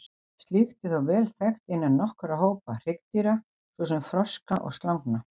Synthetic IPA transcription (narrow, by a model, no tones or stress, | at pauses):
st̪liːxt̪ɪθawvɛːlθɛxt̪ɪnːɪnɔhkʏɾaɦoːwpar̥ɪkt̪iɾa | svɔːs̬ɛmfɾɔskaʔɔ̰ɣst̪lawŋkna